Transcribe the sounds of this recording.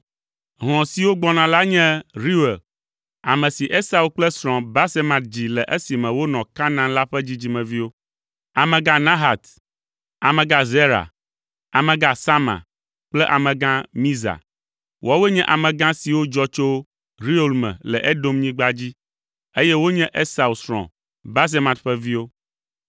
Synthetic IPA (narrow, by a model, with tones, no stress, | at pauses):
ɦɔ̃˨si˨wo˦ɡ͡bɔ˦nã˨la˦ɲɛ̃˦ɾi˦we˨l | a̰˨mɛ̃˨si˨ʔe˦sa˦u˨˦k͡plɛ˦sɾɔ̃˨ba˦se˦mã˨t̪̚d͡ʑi˨lɛ˨ʔe˦si˨mɛ̃˨wo˦nɔ̃˨ka˦nã˦la˦ɸɛ˦d͡ʑi˦d͡ʑi˦mɛ̃˨vi˦wo˦ | a˨mɛ̃˨ɡã˦nã˦ɦa˨t̪ | a˨mɛ̃˨ɡa˦ze˦ɾa̰˨ | a˨mɛ̃˨ɡa˦sa˦mã̰˨ | k͡plɛ˦ʔa˨mɛ̃˨ɡã˦mĩ˦za̰˨ | wɔ˦wɛ˦ɲɛ̃˦ʔa˨mɛ̃˨ɡã˦si˨wo˦d͡ʒɔ˦t͡ʃo˦ | ɾi˦o˦lmɛ̰̃˨lɛ˨ʔɛ˦do˦mɲĩ˦ɡ͡ba˦d͡ʑi˦ | e˦jɛ˦wo˦ɲɛ̃˦ʔe˦sa˨u˨sɾɔ̰̃˨ | ba˦s̬e˦mã˨t̪ɸɛ˦vi˦wo˦